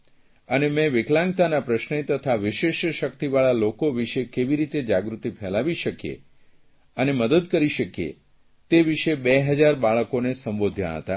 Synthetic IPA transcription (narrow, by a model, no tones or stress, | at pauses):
ənemɛ̃ʋɪklãŋɡ̚t̪anapɾəʃnet̪ət̪ʰaʋɪʃeʃʃəkt̪iʋaɭalokoʋiʃekeʋiɾit̪ed͡ʒaɡɾut̪ipʰɛlaʋiʃəkjḛ | əneməd̪əd̪kəɾiʃəkjḛ | t̪eʋiʃebeɦəd͡ʒaɾbaɭəkonesəmbod̪ʱja̰ɦə̰t̪a̰